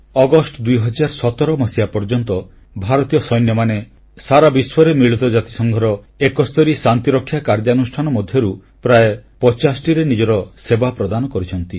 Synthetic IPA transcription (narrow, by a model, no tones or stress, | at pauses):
ɔɡɔsʈɔd̪ujɦɔd͡ʒaɾsɔt̪ɔɾɔmɔsiapɔɾd͡ʒɔnt̪ɔ | bʱaɾɔt̪ijɔsɔjnjɔmane | saɾabiswɔɾemiɭit̪ɔd͡ʒat̪i̥sɔŋɡʱɔɾɔ | ekɔst̪ɔɾisant̪iɾɔkʰːjakaɾd͡ʒanusʈʰanɔmɔd̪ʱjɔɾu | pɾaepɔt͡ʃasʈiɾenid͡ʒɔɾɔsebapɾɔd̪anɔkɔɾit͡ʃʰɔnt̪i